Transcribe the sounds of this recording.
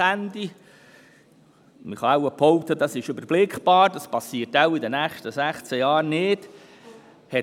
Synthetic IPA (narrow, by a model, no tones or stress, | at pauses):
ændi | məχɑawəpʰɔʊt̪ədɑsɪʃʏbəɾb̥lɪkχb̥ɑːɾdɑspɑsiətaʊidənæːχʃtəsæχt͡sɛjɑːɾnɪd̥ | hɛ